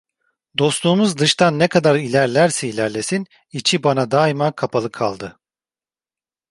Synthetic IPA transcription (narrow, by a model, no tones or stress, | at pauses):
d̪o̞stlˠuːmuzd̪ɯʃt̪ʰanːekʰad̪aɾilʲæɾlʲæɾsɛilʲæɾlʲe̞sin | it͡ʃʰibanad̪aːimakʰapʰalˠɯkʰalˠd̪ɯ